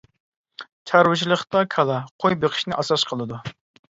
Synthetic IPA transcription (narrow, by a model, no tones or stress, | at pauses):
t͡ʃʰɑɾwɨt͡ʃʰilˠəχt̪ɑkʰɑlˠɑqʰojbeqʰɪ̥ʃnɪʔɑsɑsqʰəlˠɨd̪u